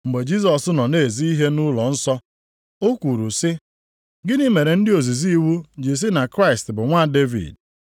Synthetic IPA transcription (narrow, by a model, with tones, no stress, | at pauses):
ŋ͡m̩˨ɡ͡be˨d͡ʒi˦s̬ɔ˨sʊ˦nɔ˨ne˦˨zi˦i˦ɦe˦nʊ˦lɔ˨n̩˦sɔ˦ | o˦kʷu˨ɾu˨sɪ˦ | ɡɪ˦ni˦me˨ɾe˨n̩˦dɪ˦o˨zi˨zi˦wu˦d͡ʒɪ˨s̬ɪ˦na˨kɾa˦˨ɪ˨stbʊ˨ŋʷa˦˨de˦vḭ˨d̚